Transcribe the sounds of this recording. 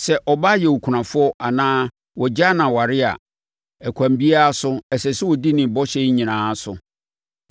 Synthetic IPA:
sɛ˨ʔɔ˨ba˦jɛ˨wu˨kʰu˨nã˨fʊ˦ɔ˦a˨nãː˦ | wɔ˨d͡ʑa˦nã˨wa˨ɾɪ˦a̰˨ | ɛ˨kʷʰã˨mbi˦a˦a˦sʊ˦ɛ˨sɛ˨sɛ˦wɔ˨di˦nɪ̃˨bɔ˦ɕɛ˦ɲĩ˨nãː˨˦sʊ̰˨

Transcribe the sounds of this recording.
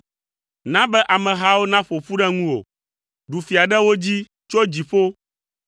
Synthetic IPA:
nã˦bɛ˦ʔa˨mɛ̃˨ɦa˦wo˦nã˦ɸo˨ɸu˦ɖɛ̃˦ŋũ˦o̰˨ | ɖu˨fi˨a˨ɖɛ˦wo˦d͡ʑi˦ | t͡ʃo˦d͡ʑi˨ɸo˦

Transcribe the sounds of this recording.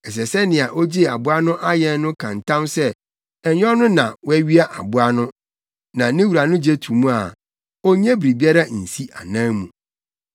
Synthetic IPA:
ɛ˨s̬ɛ˨sɛ˦nɪ̃˨a˨ʔɔ˦d͡ʑi˦a˨bʊ˦a˦nʊ̃˦ʔa˦jɛ˨n˦nʊ̃˦kʰã˨n˨tʰã˦msɛ˦ | ɛ˨ɲ˦ɔ˦nʊ̃˦nã˨wæ˦ɥi˦a˦ʔa˨bʊ˦a˦nʊ̃˦ | nã˨nɪ̃˦wu˨ɾa˨nʊ̃˦d͡ʑe˦tʰũ˨mũ˦a˨ | ɔ˦ɲɛ̃˦bɾi˨bi˦a˦ɾa˦n̩˨si˦ʔa̰˨nãː˦mũ˨

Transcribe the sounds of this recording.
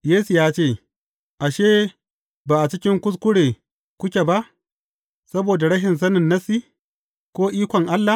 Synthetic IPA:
jeː˦su˨jaː˦t͡ʃeː˦˨ | ʔa˨ʃeː˦ | baː˨ʔa˨t͡ʃɪ˦kʲɪ˦ŋkʷʊ˦s̬kʷʊ˦ɽeː˨ | kʷʊ˦kʲe˨ba˦ʔ | sɐ˦boː˨da˨ɽɐ˦ʃɪ˨ns̬ɐ˦nɪ˨nːɐ˦si˦ | kʷoː˦ʔiː˦kʷɔ˨ŋʔa˦lːa˨

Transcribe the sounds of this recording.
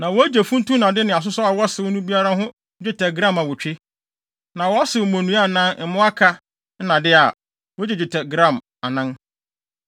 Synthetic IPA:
nã˨wɔ˦æ˦d͡ʑe˨fũ˦n̩˦tũ˦nã˨dɪ˦nɪ̃˨a˨s̬ʊ˦sɔ˦a˨wɔ˦sɪ˨ʊ˦nũ˦bi˦a˦ɾa˦ɦʊ̃˦ | d͡ʑᶣɪ˦tʰɛ˨ɡɾã˦ma˨wʊ˨t͡ɕᶣɪ˦ | nã˨wɔ˨˦a˦sɪ˨ʊ˨mõ˨nũ˦a˦˨nã˦n˦m̩˨mʊ̃˦a˦kʰa˦ | n̩˦nã˨dɪ˦a˨ | wɔ˦d͡ʑɛ˨d͡ʑᶣɪ˨tʰɛ˨ɡɾã˦˨m | a˨nã˦n

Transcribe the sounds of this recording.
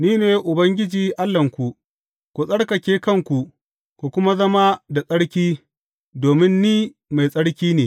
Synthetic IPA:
niː˦neː˨jʔʊ˨bɐ˦ŋɡʲɪ˦d͡ʒiː˨ʔa˦lːɐ˨ŋkʷu˨ʔ | kʷu˨sʼɐ˦ɽkɐ˨kʲeː˦kɐ˦˨ŋkʷu˨ | ku˨kʷʊ˦ma˦zɐ˦ma˦da˨sʼɐ˦ɽkʲiː˦ | doː˨mɪ˦nːiː˦ | ma˨jsʼɐ˦ɽkʲiː˦neː˨

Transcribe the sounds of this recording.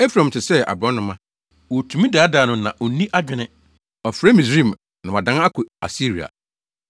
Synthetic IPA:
e˦fɾã˨m̩˨tʰɪ˨sɛ˦a̰˨bɾɔ̃˦nʊ̃˦mã˦ | wo˨tʰu˨˦mĩ˦daː˨˦da˨nʊ̃˨nã˨ʔɔ˨nĩ˦ʔa˦d͡ʑᶣɪ˨nɪ̃˦ | ɔ˨fɾe˦mĩ˨sɾĩ˦˨m | nã˨wa˨dã˦n˦a˦kʰʊ˨a̰˨si˦ɾi˨a̰˨

